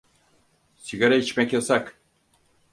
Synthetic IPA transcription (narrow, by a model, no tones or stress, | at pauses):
siɡaɾait͡ʃmɛcjasak